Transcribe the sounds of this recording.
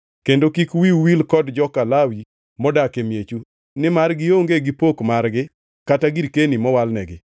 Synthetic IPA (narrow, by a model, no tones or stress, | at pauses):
kendokikwiwilkɔdd͡ʒɔkalawi | mɔdakemjet͡ʃu | nɪmarɡɪjoŋɡeɡɪpokmarɡɪ | kataɡiɾkenimɔwalnɛɡɪ